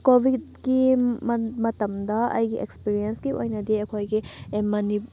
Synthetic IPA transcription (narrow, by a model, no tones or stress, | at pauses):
kobʱidɡi | mɐtɐmdɐɐ̰jɡiʔekspiɾiensɡiojnɐdiɐkʰojɡiemɐni